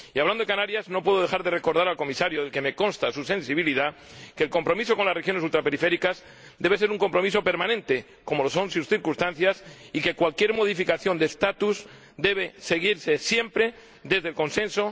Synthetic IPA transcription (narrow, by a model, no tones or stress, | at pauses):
iaβland̪oekanaɾjazno̞pweðo̞ðe̞xaɾðe̞re̞ko̞ɾðaɾalko̞misaɾjoðelke̞me̞ko̞nst̪asuse̞nsiβ̞iliða | ke̞ːlko̞mpɾo̞miso̞ko̞nlasrexjo̞ne̞s̬ult̪ɾape̞ɾife̞ɾikaz | d̪eβese̞ɾuŋko̞mpɾo̞miso̞pe̞ɾmãnẽ̞nt̪e̞ | ko̞mo̞lo̞so̞nsusθiɾkust̪anθjasike̞kwalkje̞ɾmo̞ðifikaθjo̞nd̪est̪at̪uz | d̪e̞β̞e̞se̞ɣiɾse̞sje̞mpɾe̞ | d̪e̞zðe̞lko̞nsẽ̞nso̞